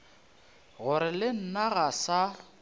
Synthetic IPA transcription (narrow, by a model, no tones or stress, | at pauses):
ɣʊɾɪlɪn̩naɣasa